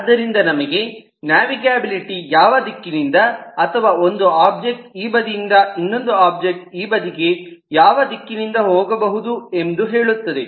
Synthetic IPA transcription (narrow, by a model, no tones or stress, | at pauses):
ɐd̪ːɐɾind̪ɐnɐmɐɡe̞ | njaːʋiɡaːbiliʈijaːʋɐd̪ikːinind̪ɐːt̪ʰɐʋaːo̞nd̪uaːp̚d͡ʒek̚ʈiːbɐd̪ijind̪ɐinːo̞nd̪uaːp̚d͡ʒek̚ʈ̚iːbɐd̪iɡe̞jaːʋɐd̪ikːinind̪ɐɦoːɡɐbɐɦud̪ue̞nd̪uɦe̞ːɭut̪ːɐd̪e̞